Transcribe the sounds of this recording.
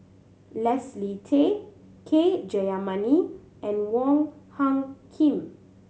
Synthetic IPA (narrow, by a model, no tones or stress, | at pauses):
lɛslitʰe | kʰed͡ʒɛamani | ʔɛ̃nwɔ̃ŋhãŋkʰĩm